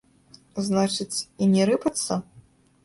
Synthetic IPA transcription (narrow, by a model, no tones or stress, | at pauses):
znat͡ʂɨt͡sʲinʲɛɾɨpɐt̪sːɐ